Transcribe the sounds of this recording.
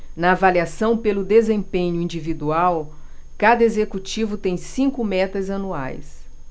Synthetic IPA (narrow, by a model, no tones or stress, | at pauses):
nɐːvaliasɐ̃w̃pelʊd̪ezẽpẽɲʊĩd͡ʒivid̪uaw | kad̪ɐezekut͡ʃivʊt̪ẽj̃sĩŋkʊmɛt̪ɐzɐnua̰js